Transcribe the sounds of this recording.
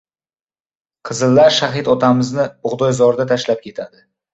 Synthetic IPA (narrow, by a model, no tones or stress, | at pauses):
qʰɨzɨlːaɾʃaɦɪt̪ɒt̪ʰamɪznɪʊʁd̪ɒjzɒɾd̪at̪ʰaʃlap̚kʲʰe̞t̪ʰad̪ɪ